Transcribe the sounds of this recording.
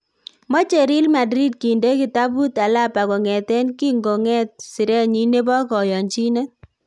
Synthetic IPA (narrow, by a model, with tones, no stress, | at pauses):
mɔ˦t͡ʃe˨ɾi˦lma˨dɾi˦d̚ki˨nde˦ki˨ta˦bu˦ta˨la˦pa˨kɔ˨ŋɛ˨tɛ˦nki˦ŋɡo˨ŋɛ˦t̚si˨ɾɛ˦ɲi˦ne˦bɔ˦kɔ˨jɔ˨nt͡ʃi˦nɛ˦